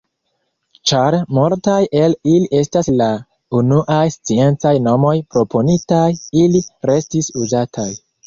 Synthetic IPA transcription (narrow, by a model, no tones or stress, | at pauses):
t͡ʃaɾmultajʔe̞liliʔe̞stasla | unuʔajst͡sie̞nt͡sajno̞mo̞jpɾo̞pʰo̞nitajiliɾe̞stisuzatʰaj